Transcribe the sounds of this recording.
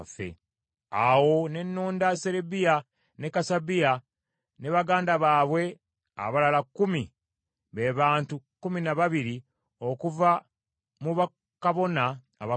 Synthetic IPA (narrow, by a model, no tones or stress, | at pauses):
fḛ | awo̞ne̞nːoːndase̞ɾebija | ne̞kasabija | ne̞βaɡaːndaβaːβwe̞ | a̰βalalakːumi | βe̞βaːntukuminaβaβiɾi | o̞kuva | muβa | kaβo̞na̰ː | βa